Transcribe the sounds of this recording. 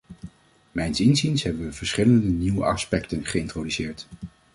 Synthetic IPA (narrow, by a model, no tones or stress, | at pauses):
mɛjnsɪnzinsɦɛbənʋəv̥əɹsχɪləndəniwə̰ʔɑ̰spɛktənχəɪntrodysɪːɹt